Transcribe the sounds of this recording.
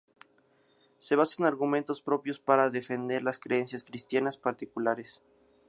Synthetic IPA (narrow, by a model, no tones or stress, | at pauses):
se̞β̞asaenaɾɣumẽ̞nt̪o̞spɾo̞pjo̞spaɾaðe̞fe̞nd̪e̞ɾlaskɾeensjaskɾist̪janaspaɾt̪ikulaɾes